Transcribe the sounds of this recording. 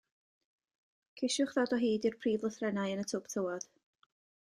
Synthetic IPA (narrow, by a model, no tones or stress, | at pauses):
kʰɪʃʊχðɔdɔɦiːdirpʰriːvlˠəθrɛnajənətʰʊptʰəwɔð̥